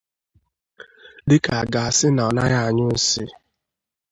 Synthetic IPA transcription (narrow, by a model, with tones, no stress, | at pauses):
dɪ˦ka˨a˨ɡa˨a˨sɪ˦na˨na˦ɣa˦˨a˨ɲʊ˦n̩˦sɪ˦